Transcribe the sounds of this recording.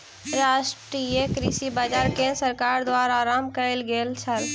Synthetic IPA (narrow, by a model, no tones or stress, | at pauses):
ɾaːʃʈɾijekɾiːsibaːd͡ʒaːɾkesəɾkaːɾd̪waːɾaːɾaːmkəɪlɡeːlt͡ʃʰəl